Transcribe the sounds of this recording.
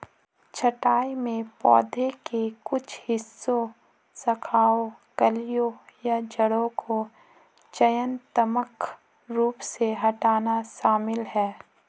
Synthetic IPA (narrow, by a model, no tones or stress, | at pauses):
t͡ʃʰəʈaːimẽpɔ̰ːd̪ʱekekʊt͡ʃʰhɪsːo | sɐkʰaːokəlijõjad͡ʒəɽõkʰo | t͡ʃɐjənt̪əmək | ɾuːpseɦɐʈaːnaʃaːmɪlɦɛː